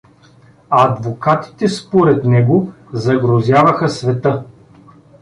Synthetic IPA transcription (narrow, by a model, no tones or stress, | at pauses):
ɐd̪vokat̪i̥t̪ɛspoɾɛt̪nɛɡo | zɐɡɾozʲjavɐxəsvɛt̪ɤ